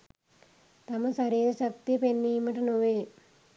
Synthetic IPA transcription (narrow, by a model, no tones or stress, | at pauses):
t̪ɐmɐsɐɾiːɾɐɕɐk̚t̪iɐpenːiːmɐʈɐnuʋeː